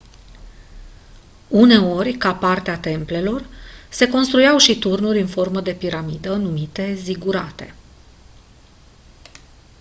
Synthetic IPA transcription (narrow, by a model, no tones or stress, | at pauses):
une̞o̞rʲkapart̪eat̪e̞mple̞lo̞rse̞ko̞nst̪ɾujawʃit̪urnuɾʲɨnfo̞rməd̪e̞piɾamid̪ənumit̪e̞ziɡuɾat̪e̞